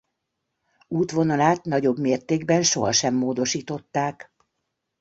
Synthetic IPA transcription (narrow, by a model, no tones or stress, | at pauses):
uːt̪ʋo̞nɒlaːt̪nɒɟo̞bmeːrt̪eːɡbɛnʃo̞ɦɒʃɛmːoːd̪o̞ʃiːt̪o̞t̪ːaːk